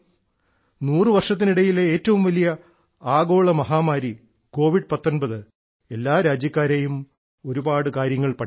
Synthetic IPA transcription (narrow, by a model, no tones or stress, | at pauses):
nuːrɨʋɐrʂɐt̪̬ːiniɽɐjileeːtːɐʋumʋɐlijɐ | aːɡo̞ːɭɐmɐɦaːmaːɾi | ko̞ːʋiɽpɐt̪ːo̞nbɐðɨ | e̞lːaːɾaːd͡ʑjɐkːaːɾejum | o̞ɾubaːɽɨkaːɾjɐŋːɐɭpɐ